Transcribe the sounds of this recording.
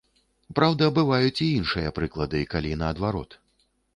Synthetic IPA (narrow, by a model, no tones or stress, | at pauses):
pɾawd̪ɐːbɨvajut͡sʲiinʂɨjɐpɾɨklˠɐd̪ɨkalʲinɐːd̪vaɾɔ̰t̪